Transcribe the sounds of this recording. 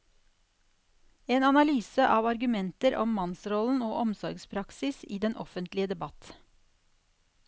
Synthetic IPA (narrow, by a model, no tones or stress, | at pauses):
eːnɑnɑlyːsəʔɑːʋɑɾɡʉmɛnt̪əɾʔɔ̰mmɑnsɾɔln̩oːʔɔmsɔɾɡspʰɾɑksɪsiːd̪ɛnʔɔ̰fənt̪lɪəd̪ɛbɑt̪